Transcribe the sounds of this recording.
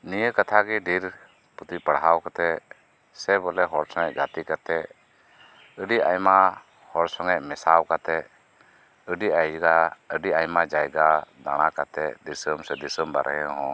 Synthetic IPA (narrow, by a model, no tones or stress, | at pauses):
nijəkat̪ʰaɡiɖiɾ | put̪ipəɽɦawkat̪ɛ | sɛbɔlɛɦɔɾsɔŋɛʔɡat̪ikat̪ɛ | əɖiʔa̰jma | hɔɾsɔŋɛʔmɛsawkat̪ɛ | əɖiajɡaəɖiajmad͡ʒajɡad̪a̰ɽ̃akat̪ɛd̪isəmsɛd̪isəmba̰ɾɦɛ̃ɦɔ̃